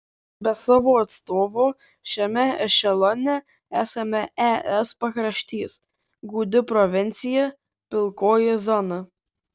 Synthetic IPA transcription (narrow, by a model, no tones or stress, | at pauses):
bʲɛsɑːʋoːɐt̪st̪oːʋoː | ʃʲɛmʲɛɪʃʲɛlˠɔnʲɛ | æːsɐmʲɛɛʔɛspɐkɾɐʃʲt̪ʲiːs | ɡuːd̪ʲɪpɾɔʋʲɪnʲt̪sʲɪjɛ | pʲɪlˠkoːjɛzɔnɐ